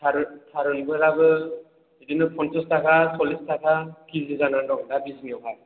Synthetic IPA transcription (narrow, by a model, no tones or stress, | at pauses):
aɾɯtʰaɾɯnbɯɾabɯ | idinɯpʰɔnsɔstakʰasɔlistʰakʰakʰizɯzanandɔŋdabisŋiɔkʰak̚